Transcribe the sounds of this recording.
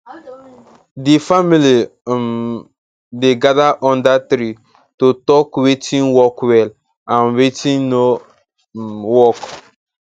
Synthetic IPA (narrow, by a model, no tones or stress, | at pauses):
difamilim | deɡadaʔɔ̃ndatɾi | tutɔkwetʰĩŋwɔkwɛl | ãnwetʰĩŋno | wɔk